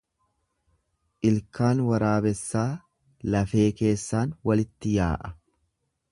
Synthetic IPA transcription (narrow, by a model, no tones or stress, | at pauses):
ʔɪlkaːnwɐɾaːbɛsːaː | lɐfe̞ːke̞ːsːaːnwɐlɪt̪ːɪja̰ːʔɐ